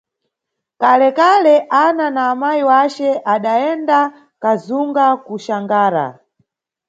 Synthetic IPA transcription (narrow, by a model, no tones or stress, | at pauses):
kalɛkalɛʔananaːmajiwat͡ʃɛʔaɗaɛnda | kazuŋɡakuʃaŋɡaːɾa̰